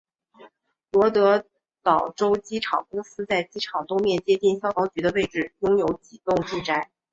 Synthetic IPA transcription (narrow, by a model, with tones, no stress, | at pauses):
lwɔ˧˥t̪ɤ˧˥ | t̪ɑ˨˩ʊʈ͡ʂo˥ʊt͡ɕi˥ʈ͡ʂʰɑ̰˨˩ŋkʊ˥ŋsɹ̩˥t͡sa˥˩ɪt͡ɕi˥ʈ͡ʂʰɑ˨˩ŋt̪o˥ʊmjɛ˥˧˩nt͡ɕjɛ˥t̪i˥˩ŋɕjɑ˥ʊk̪ɑ˧˥ʊt͡ɕy˧˥d̪ə˧we˥˧ɪʈ͡ʂɻ̩˥˩jʊ˥ŋjo˧˥ʊt͡ɕi˨˩t̪ʊ˥˧ŋt͡ɕi˥˧ʈ͡ʂa˥˩ɪ